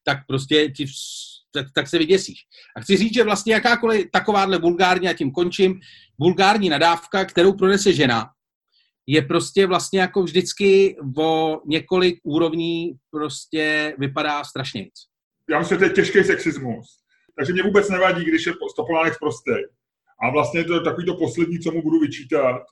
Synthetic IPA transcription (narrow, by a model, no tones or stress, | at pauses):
t̪ak̚pɾo̞s̬cɛcɪt̪akt̪aksɛvɪɟɛsiːʃ | ʔaxt͡sɪriːt͡sʒɛvlast̪ɲɛjakaːko̞lɪt̪ako̞vaːdlɛvulɡaːɾɲijacɪmko̞nt͡ʃɪm | vulɡaːɾɲiːnadaːfkakt̪ɛɾo̞wpɾo̞nɛsɛʒɛna̰ | jɛpɾo̞scɛvlast̪ɲɛjako̞vʒdɪt͡skɪvo̞ɲɛko̞lɪk̚ʔuːɾo̞vɲiːpɾo̞scɛvɪpadaːst̪ɾaʃɲɛ̰jt͡s | jaːmɪsɪmʒɛt̪ojɛcɛʃkɛjsɛksɪzmus | t̪aɡʒɛmɲɛvuːbɛt͡snɛvaɟiːɡdɪʃjɛpost̪opovaːnɛkspɾost̪ɛj | ʔavlast̪ɲɛjɛt̪ot̪ako̞viːt̪o̞po̞slɛd̚ɲiːt͡somubuduvɪt͡ʃiːt̪at̪̚